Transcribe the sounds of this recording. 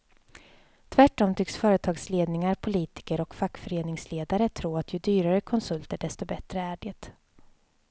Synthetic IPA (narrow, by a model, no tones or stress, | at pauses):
t̪ʰvæʈːɔmt̪ʰʏksfœːɾət̪ʰɑːɡsleːd̪nɪŋaɾpʰʊliːt̪ɪ̥kəɾɔkfakːfœɾeːnɪŋsleːd̪aɾət̪ʰɾuːat̪ʰjɵd̪yːɾaɾəkʰɔnsɵlt̪əɖɛst̪ɔbɛt̪ɾəæɖeːt̪